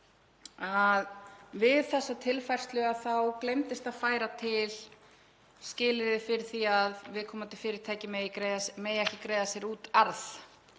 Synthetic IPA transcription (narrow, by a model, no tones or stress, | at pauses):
aðvɪðθɛsːat̪ʰɪlfajr̥st̪lʏɣaθawklejmt̪ɪst̪aðfaːjɾat̪ʰɪl | scɪːlɪɾðɪfɪɾɪɾ̥θiaðvɪðkʰɔːmat̪ɪ̥fɪːɾɪɾ̥t̪ʰaːjcɪmɛɾemɛðjɛhcɪkɾeːjðasjɛɾuːt̪aɾθ